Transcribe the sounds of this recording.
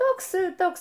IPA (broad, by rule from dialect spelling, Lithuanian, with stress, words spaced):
ˈtoːks ˈtoːks